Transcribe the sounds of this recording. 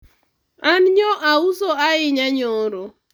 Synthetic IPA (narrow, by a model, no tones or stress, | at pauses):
anɲɔʔausoaɪɲaɲɔɾo